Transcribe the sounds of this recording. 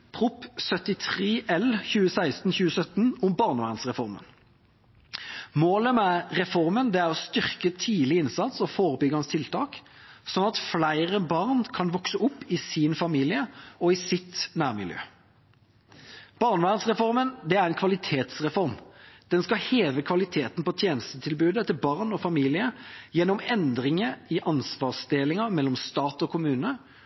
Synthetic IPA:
pʰʁʊpsœt̪ɪt̪ʰʁeːʔɛlçʉːəsæɪst̪nçʉːəsœt̪nʊmbɑʁnʋæ̰ːʁənsʁɛfɔʁmə̰n | moːləmæʁɛfɔʁmənd̪ɛæʁɔst̪ʏʁkət̪ʰiːlɪɪnsɑt̪sɔfoːʁəbʏɡɑnst̪ʰɪlt̪ʰɑːk | sɔnːɑt̪flæɪʁəbɑʁnkʰɑnʋɔksəʊpːɪsinfɑmiːlɪəɔɪsɪt̪næːʁmɪ̰ljø̰ː | b̥ɑʁnʋæːʁənsʁɛfɔʁmənd̪ɛæʁɛnkʰʋɑlɪt̪ʰeːt̪sʁɛfɔʁmd̪̥ɛnskɑheːʋəkʰʋɑlɪt̪ʰeːt̪npɔt̪ʰjeːnəst̪ət̪ʰɪlbʉːd̪ət̪ɪlbɑʁnɔfɑmiːlɪəjɛnːɔmɛnd̪ʁɪŋəɪʔɑnsʋɑːʁsd̪eːlɪŋəmɛlːɔmst̪ɑːt̪ɔkʰʊmʉːnə

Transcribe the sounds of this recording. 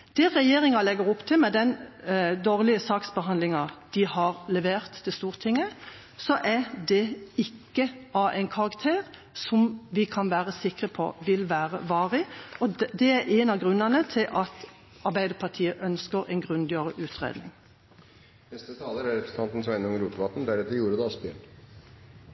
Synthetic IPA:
d̪̥ɛʁɛjeːɾɪŋɑlɛɡəɾʊpːt̪ʰɪlmɛd̪ɛnd̪oːʁlɪəsɑːksbəɦɑnd̪lɪŋɑd̪̥ɪhɑʁlɛʋeːʁt̪ʰːɪst̪uːʁt̪ʰɪŋːə | sɔʔæd̪ɛɪkːəɑʔæɪnkʰɑʁɑkt̪ʰeːʁ | sɔmʋɪkʰɑnʋæːʁəsɪkʁəpʰɔ̰ʋɪlʋæːʁə̰ʋɑːʁɪɔd̪ɛæɾʔɛnɑʋɡʁʉnːənət̪ʰɪlʔɑt̪ | ɑɾbæɪd̪əpʰɑt̪ʰiːəʔœnskəʁɛ̰ɪnɡʁʉnd̪ɪəʁəʔʉːt̪ʰʁḛːd̪nɪ̰ŋ | nɛst̪ət̪ʰɑːləɾæɾɛpɾəs̩ʰɑnt̪n̩sɔmɛɪnɔŋɾuːp̪əʋɑt̪n̩d̪æɾɛt̪ːəɾjuːɾəd̪ɛɑspɪ

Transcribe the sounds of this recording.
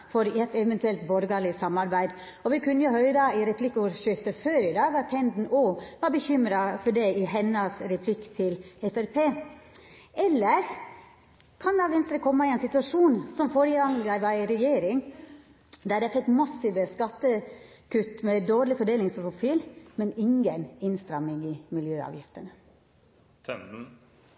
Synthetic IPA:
fɔɾɛt̪ːɛʋɛnt̪ʉɛlt̪bɔɾɡɑlɪsɑmːɑɾbæɪd̪ | ɔʋɪkʰʉnːəjʊhœʏɾɑɪɾɛpʰlɪkːuɾʂʏt̪əføːɾɪd̪ɑːɡɑt̪ʰːɛnd̪n̩oːʋɑɾbəçʏmɾɑfɔɖɛɪɦɛnːɑsɾɛpʰlɪkt̪ʰɪlɛfæɾpʰeː | ɛlːəɾ | kʰɑnd̪ɑʋɪnst̪əɾəkʰɔmːɑɪɛːnsɪt̪ʉɑʂuːnsɔmfoːɾəɡɑŋd̪æʋɑɾɛjeːɾɪŋ | d̪æːɖ̪ɛfɛkːmɑsːɪʋəskɑt̪ːə | kʉt̪ːmɛd̪oːɾlɪfɔɖeːlɪŋspɾʊfiːlmɛnɪŋɡənɪnst̪ɾɑmːɪŋɪmɪljøːɑ̰ʋjɪft̪ənə

